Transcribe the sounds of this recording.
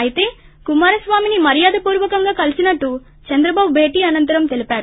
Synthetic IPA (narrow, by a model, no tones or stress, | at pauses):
ɐjit̪e̞ː | kumaːɾɐsʋaːminimɐɾijaːd̪ɐpuːɾʋɐkɐŋɡaːkɐlisinɐʈːu | t͡ʃɐnd̪ɾɐbaːbubʱe̞ːʈiːɐnɐnt̪ɐɾɐmt̪e̞lipaːɾu